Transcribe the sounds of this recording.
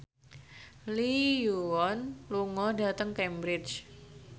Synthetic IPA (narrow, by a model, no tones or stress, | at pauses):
lijuwɔnluŋɔdat̪əŋkɛmbɾɪt͡ʃ